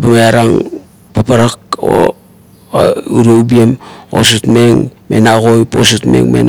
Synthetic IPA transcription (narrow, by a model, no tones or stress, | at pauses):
bamaaɾaŋ | papaɾako̰ | uɾoubiemo̰sutmeŋmḛnaɣojposutme̞̰ŋmḛn